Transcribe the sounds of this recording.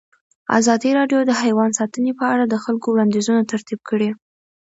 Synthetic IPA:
a̰zɑd̪iɾɑɖjod̪əhajwɑnsɑt̪ənepəaɽad̪əxalkowɽɑnd̪izunat̪aɾt̪ib̚kəɽi

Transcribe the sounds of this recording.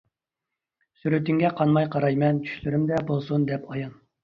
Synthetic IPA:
syɾyt̪yŋɡʲɛqʰɑnmɑjqʰɑɾɑjmɛnt͡ʃʰy̥ʃlyɾymd̪ɛbolˠsund̪ɛpɑjɑn

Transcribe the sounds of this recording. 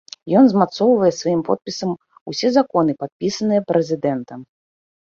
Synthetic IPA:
jɔnzmat̪sɔwvɐjɛsvajimpɔ̰t̪̚pʲisɐm | usʲɛzakɔnɨpat̪̚pʲisɐnɨjɛpɾʔɛzʲɪd̪ɛnt̪ɐ

